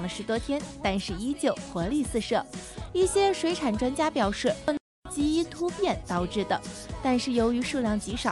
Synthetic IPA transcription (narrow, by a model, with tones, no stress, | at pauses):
ŋlə˦ʂɻ̩˧˥t̪wɔ˥t̪ʰjɛ˥nt̪a˥˧nʂɻ̩˥˩i˥t͡ɕjo˨˩ʊxɤ˧˥li˥˧sɹ̩˥˧ʂɤ˥˩i˥˩ɕjɛ˥ʂwe˧˥ɪʈ͡ʂʰa˨˩nʈ͡ʂwa˥nt͡ɕja˥pjɑ˨˩ʊʂɻ̩˥˩ə˥˩nɤ˧˥ŋt͡ɕi˥i˥t̪ʰu˥pjɛ˥˩nt̪ɑ˥˧ʊʈ͡ʂɻ̩˥˩d̪ə˩t̪a˥˧nʂɻ̩˥˩jo˧˥ʊy˧˥ʂu˥˧ljɑ˥˩ŋt͡ɕi˧˥ʂɑ˨˩˦